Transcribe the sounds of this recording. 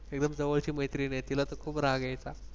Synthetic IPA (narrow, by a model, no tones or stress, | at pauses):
ek̚d̪əmd͡zəʋəlt͡ɕiːməjt̪ɾiːnajt̪ilat̪əkʰuːpɾaɡajt͡sa